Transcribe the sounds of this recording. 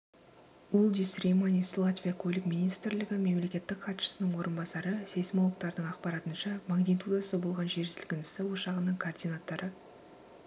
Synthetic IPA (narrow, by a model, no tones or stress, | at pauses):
ulˠd̪isrimanʲislˠat̪vʲijakʲʰɵlʲɪkmʲinijst̪ɾlɪɡʲɪme̞mle̞kʲe̞t̪ːɪkχɑt̪ʃə̥sənəɴwo̞ɾʔənbɑsɑɾəse̞smolˠək̚t̪ɑɾd̪əɴɑqpɑɾɑt̪ənʃɑmaɡnʲit̪ud̪asəbo̞lˠʁɑnʒe̞ɾzɪlɡʲɪnɪsɪwoʃɑʁənəɴkʰoːrd̪ijnat̪ːɑɾʔə